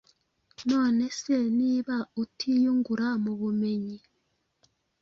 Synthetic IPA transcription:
noːneseniːβautʰijuŋɡuɾamuβumeɲi

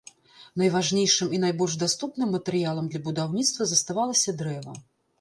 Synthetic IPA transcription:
nɐjvaʐnʲejʂɨminajbɔlʲʐd̪ast̪upnɨmːɐt̪ɛɾɨjalˠɐmd̪lʲɐbud̪awnʲit̪st̪vɐzɐst̪avalˠɐsʲɐd̪ɾɛvɐ̰

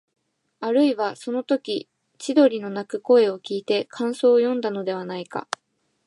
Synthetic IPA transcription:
aɾɯ̟iβaso̞no̞t̪o̞kʲi | t͡ɕid̪o̞ɾʲino̞nakɯ̟ko̞e̞o̞kʲiːt̪e̞kʰãɰ̃so̞ːjõ̞nd̪ano̞d̪e̞βanaika̰

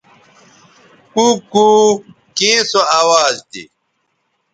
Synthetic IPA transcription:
kuku | kẽsoaːwaːzt̪ḭ

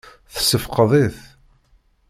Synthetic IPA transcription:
θə̥səfqəðˤiθ

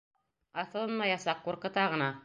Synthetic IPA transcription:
aθɨlˠmːajasakːʊɾkət̪aʁəna

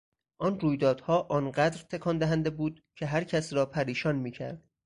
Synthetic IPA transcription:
ʔɒːnruːjd̪ɒːd̪̥hɒːʔɒːnɢæd̪ɾt̪ʰekʰɒːnd̪æɦænd̪e̞buːd̪̥̚ | cʰe̞ɦæɾcʰæsɾɒːpʰæɾiːʃɒːnmiːcʰæ̰ɾd̪̥

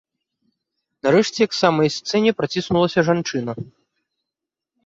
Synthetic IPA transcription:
naɾɛʂt͡sʲɛjɐksamɐjst̪sɛnʲɛpɾat͡sʲisnulˠɐsʲɐʐant͡ʂɨnɐ

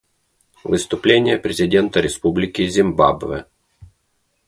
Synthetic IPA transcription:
vɨst̪ʊplʲenʲɪjəpɾʲɪzʲɪdʲe̞nt̪əɾʲɪspublʲɪkʲɪzʲɪmba̰bvɨ̰

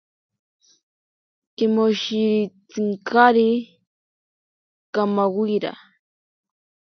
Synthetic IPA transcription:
kɪmoʃit͡sɪŋkʰaɾi | kamawiɾa̰

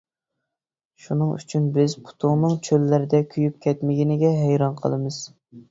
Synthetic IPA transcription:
ʃunɨŋy̰t͡ʃʰynbɪzpʰu̥t̪ʰʊŋnɨŋt͡ʃʰølːɪɾɪd̪ɛkʲʰyjyp̚kʲʰɛt̪mɪɡʲinɪɡʲɛɦɛjɾɑnqʰə̰lˠɨmɨz̥

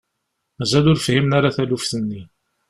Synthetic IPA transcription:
mæzælʊɾfhimnaɾaθælufθənːi

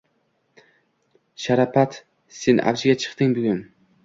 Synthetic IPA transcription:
ʃaɾapʰat̪ | se̞nʔa̰vd͡ʒɪɡʲat͡ʃʰɨ̥qt̪ɪŋbʊɡʲʊn

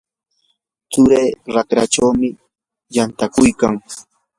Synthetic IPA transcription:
t͡sʊɾejːɾakɾaʈ͡ʂawmɪ | jant̪akʊjkaŋ

